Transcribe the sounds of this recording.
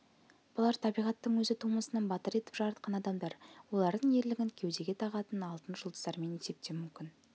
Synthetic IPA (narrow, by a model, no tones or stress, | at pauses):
b̥ʊlˠɑɾt̪ʰɑbijʁɑt̪ːəɴwɵzɪt̪ʰuməsənɑnbɑt̪əɾe̞t̪ɪpʒ̥ɑɾɑt̪̚qɑnɑd̪ɑmd̪ɑɾwo̞lˠɑɾd̪əɴe̞ɾlɪɡʲɪŋkʲʰe̞wd̪e̞ɡʲe̞t̪ʰɑʁɑt̪ənɑlˠt̪ənʒʊlˠd̪əzd̪ɑɾme̞nise̞p̚t̪e̞mʏmkʲɪn